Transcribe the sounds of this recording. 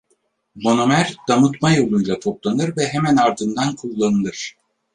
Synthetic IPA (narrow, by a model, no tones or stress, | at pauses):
mo̞no̞mæɾd̪̥amɯt̪majo̞lˠujlˠat̪ʰo̞plˠanɯɾvɛɦemænaɾd̪ɯnd̪ankʰulˠːanɯlˠɯɾ̥